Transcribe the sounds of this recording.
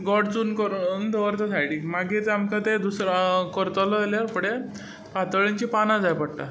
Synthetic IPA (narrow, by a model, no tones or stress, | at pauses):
ɡɔɽt͡suːnkɔɾnd̪əʋəɾt̪əsʰajɽimaɡit͡samkat̪ed̪usɾakɔɾt̪əlɔljaɾpəɽe | pat̪əɭeɲt͡ɕipanãd͡zajpəɽʈa̰